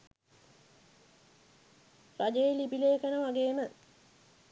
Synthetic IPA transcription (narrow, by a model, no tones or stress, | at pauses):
ɾad͡ʒeelibileːkənəʋaɡeːmə